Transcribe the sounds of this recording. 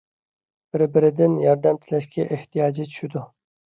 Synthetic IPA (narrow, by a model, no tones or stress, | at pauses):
b̥ɪɾbɪɾɪd̪ɪnjɑɾd̪æmt̪ʰɪlæʃkʲɛʔeht̪ʰijɑːd͡ʒit͡ʃʰy̥ʃɪd̪u